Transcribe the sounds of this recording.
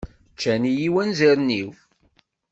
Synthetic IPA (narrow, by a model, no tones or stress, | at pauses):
t͡ʃːænijiwænziɾniw